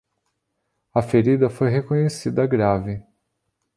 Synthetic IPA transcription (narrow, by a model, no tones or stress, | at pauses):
ɐfeɾid̪ɐfojɦekõɲesid̪ɐɡɾavɪ